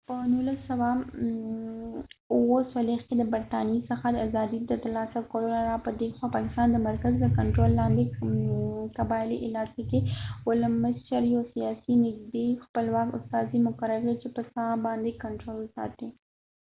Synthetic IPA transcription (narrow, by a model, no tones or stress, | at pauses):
pənulasawa | uwosalexked̪əbəɾt̪ɑniisəxad̪əazɑd̪id̪ət̪alɑsakoɽonaɾapəd̪exwapɑkɪst̪ɑnd̪əmaɾkazləkaɳʈɾolːɑnd̪e | kabɑɪlḭʔɪlɑkekeʊlamːaʃaɾjosijɑsinɪɡd̪expəlwɑkʊ̰st̪ɑzimʊkaɾaɾket͡ʃepəsɑbɑnd̪ekaɳʈɾolsɑ̰t̪i